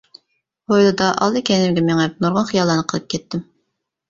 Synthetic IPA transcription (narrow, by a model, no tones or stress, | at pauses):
bojlˠɨd̪ɑʔɑ̰lˠd̪ɨkʲʰɛnɪmɡʲɛmɛŋɛp̚noɾʁɑnχijɑlˠːɑnɨqʰəlˠɨp̚kʲʰɛt̪ːɪm